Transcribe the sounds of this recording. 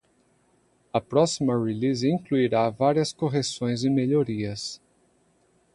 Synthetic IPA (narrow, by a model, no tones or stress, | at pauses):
ɐpɾɔsimɐʁilizĩŋkluiɾavaɾiɐskoɦesõj̃zɪmeʎoɾiɐs